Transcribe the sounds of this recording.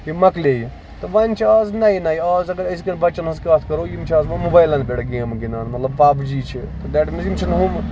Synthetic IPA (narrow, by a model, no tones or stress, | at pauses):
jimɐkleːji | t̪ɐʋɐnʲt͡ʃʰaːznɐinaːjiaːzɐɡɐɾɐs̬kɐnbɐt͡ʃɐnɐzkaːt̪ʰkɐɾoːjimt͡ʃʰaːzmɐ̃mubaːjlaːnbʲeːʈaɡeːmɡinaːnmɐt̪lɐbpaːpd͡ʒiːt͡ʃʰi | t̪ɐd̪ɛːʈmizimt͡ʃʰinɦum